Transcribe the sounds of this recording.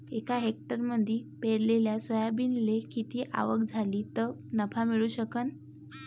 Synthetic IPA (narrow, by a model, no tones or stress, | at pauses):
ekaɦek̚ʈəɾməd̪ʱiːpeɽleljasʋəjabinlekit̪iːʔa̰ʋəkd͡zʱaliːt̪ənəpamiɭuːɕəkən